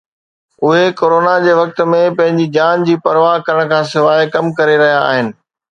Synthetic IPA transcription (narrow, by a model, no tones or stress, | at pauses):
ʊɦekoːɾoːnad͡ʑeːʋɐk̚t̪̆mẽpɐ̃ɦɪ̃ɲd͡ʑid͡ʑaːnd͡ʑiːpɐɾʋaːɦkɐɾəɽ̃kʰãːs̬ɪʋaːekɐmkɐɾeɾɐɦija̰ːɦɪnɪ̆